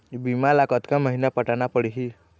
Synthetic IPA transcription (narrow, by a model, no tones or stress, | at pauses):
bimalakɔt̪kaməɦinapəʈanapəɽiɦi